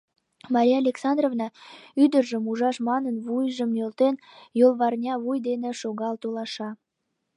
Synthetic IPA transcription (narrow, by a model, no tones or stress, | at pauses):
mɑɾʲijɑlʲeksɑnd̪rovnɑyd̪ərʒəmuʒɑʃmɑnənβujʒəmnølt̪en | jolˠβɑrnʲɑβujd̪eneʃoɣɑlt̪olɑʃɑ